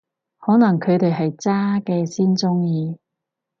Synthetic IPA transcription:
hɔː˨˥nɐ˨˩ŋkʰɵ˨˧ɥt̪e˨jɦɐ˨jt͡saː˥kɛː˧siː˥nt͡sʊ˥ŋjiː˨˧

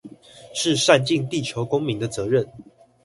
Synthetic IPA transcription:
ʂɻ̩˥˨ʂa˥˧nt͡ɕi˥˨ŋt̪i˥˨t͡ɕʰjo˧˦ʊkʊ˥ŋmi˨˦ŋd̪ə˨t͡sɤ˨˧˦ɻə˥˨n

